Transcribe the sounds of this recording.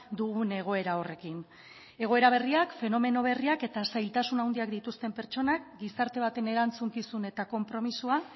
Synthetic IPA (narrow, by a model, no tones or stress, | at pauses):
d̪uɣune̞ɣ̞o̞e̞ɾao̞re̞kin | e̞ɣ̞o̞e̞ɾaβ̞e̞riakfe̞no̞me̞no̞β̞e̞riake̞t̪asajlt̪asunawnd̪iakd̪it̪ust̪e̞mpe̞ɾt͡ʃo̞nak̚ɡisaɾt̪e̞β̞at̪e̞ne̞ɾant͡suŋkisune̞t̪ako̞mpɾo̞misua